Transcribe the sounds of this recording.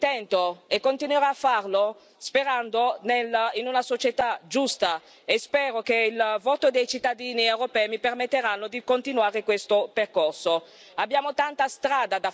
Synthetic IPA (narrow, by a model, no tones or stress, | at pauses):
t̪ɛnt̪oekːont̪inweɾaːfːarlo | speɾand̪onelinunasot͡ʃet̪ad͡ʒust̪a | espɛːɾokeilvot̪od̪ejt͡ʃit̪ːad̪iːniewɾopɛːjmipermet̪ːeɾanːod̪ikont̪inwaːɾekwest̪operkorso | abːjaːmot̪ant̪ast̪ɾaːd̪ad̪a